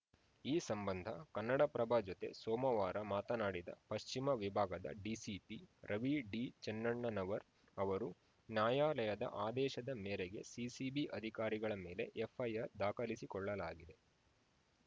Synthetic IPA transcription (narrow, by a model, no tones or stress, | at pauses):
iːsɐmbɐnd̪ʱɐkɐnːɐɽɐpɾɐbʱaːd͡ʒɔt̪e̞̰sɔːmɐʋaːɾɐmaːt̪ɐnaːɽid̪ɐ̰pɐʃt͡ʃimɐʋibʱaːɡɐd̪ɐ̰ɖiːsipiɾɐʋiɖit͡ʃɐnːɐɳːɐnɐʋɐɾ | ɐʋɐɾu | njaːjaːlɐjɐd̪ɐ̰ʔaːd̪ɛːʃɐd̪ɐmɛːɾeɡe̞̰sisiːbiʔɐd̪ʱikaːɾiɡɐɭɐmeːle̞ʔefʰɐjɐɾd̪aːkɐlisikɔɭːɐlaːɡid̪e̞